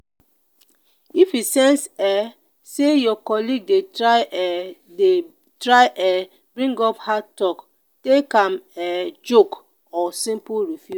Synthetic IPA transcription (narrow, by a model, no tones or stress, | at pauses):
ifisɛ̃nsɛ | sejɔkɔliɡ̚de | de | tɾaɪʔɛ | bɹĩŋɡɔphatɔk | tekãmɛd͡ʒok | ɔsĩmpuɹifju